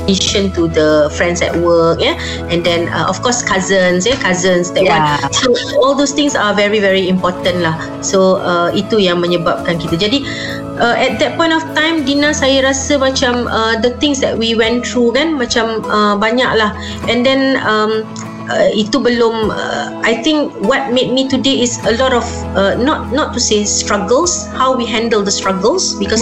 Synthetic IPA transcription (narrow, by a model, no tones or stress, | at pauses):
iʃə̃nt̪udəfɹɛ̃ndsdɛ̰t̚wək̚jɛ | ɛ̃ndɛ̃nə̰ʔɔfkɔskazə̃nsjakazə̃nsdɛʔ̚ãsoɔldost̪ɪ̃ŋsavɛɹivɛɹiĩmpɔt̪ə̃nlah | soəit̪ujãŋmə̃ɲəbap̚kãnkit̪əd͡ʒadi | ʔəʔɛt̪̚d̪ɛt̚pɔ̃j̃ntɔft̪ãj̃mdinãsajəɾasəmat͡ʃãmədət̪ɪ̃ŋsdɛt̚wiwɛ̃nt̪ɹukɛ̃nmat͡ʃãməbaɲak̚lah | ɛ̃ndɛ̃nəm | əit̪ubəlomə̰ | ajt̪ɪ̃ŋkwɔt̚met̚mitudeisəlɔɾɔf | ənɔt̚nɔtːusestɹaɡəlshawwiɦɛ̃ndəldəstɹaɡəlsbikɔs